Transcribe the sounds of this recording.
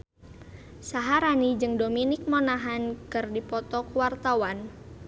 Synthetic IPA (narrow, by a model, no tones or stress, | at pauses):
saɦaɾanid͡ʒɨŋdominɪk̚monaɦankɨrdipɔt̪ɔkuwart̪awan